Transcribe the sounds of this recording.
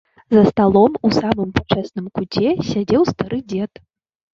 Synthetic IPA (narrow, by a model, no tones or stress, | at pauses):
zɐst̪alˠɔmusamɨmpat͡ʂɛsnɨmkut͡sʲɛsʲad͡zʲɛwst̪aɾɨd͡zʲɛt̪